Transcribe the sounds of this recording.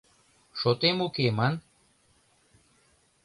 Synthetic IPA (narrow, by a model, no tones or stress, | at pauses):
ʃot̪emukeman